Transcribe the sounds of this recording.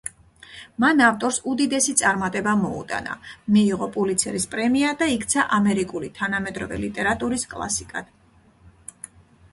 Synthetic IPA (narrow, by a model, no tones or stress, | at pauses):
manaft̪ʼɔɾsud̪id̪ɛsit̪sʼaɾmat̪ʼɛbamɔṵt̪ʼa̰na̰miːʁɔpʼulit̪sʰɛɾispʼɾɛmiad̪aikʰt̪sʰaʔamɛɾikʼulit̪ʰanamɛd̪ɾɔ̰vɛ̰lit̪ʼɛɾat̪ʼuɾiskʼlˠa̰sikʼa̰d̪̥